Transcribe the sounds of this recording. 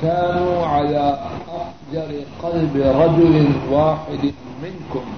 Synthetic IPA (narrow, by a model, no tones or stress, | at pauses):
kaːnuːʕalaːʔafd͡ʒɑɾɪqɑlbɪɾˤɑd͡ʒʊlɪwaːħɪd̪ | mɪnkʊm